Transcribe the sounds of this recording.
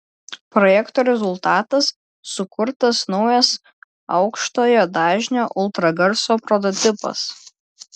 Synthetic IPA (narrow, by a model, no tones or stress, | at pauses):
pɾɔjɛkt̪oːɾʲɛzʊlˠt̪ɑːt̪ɐsː | ʊkʊɾt̪ɐsnɒʊjɐs | ɒʊkʃt̪oːjoːd̪ɑːʒʲnʲoːʔʊlˠt̪ɾɐɡɐɾsoːpɾɔt̪̬ɔt̪ʲɪpɐ̰s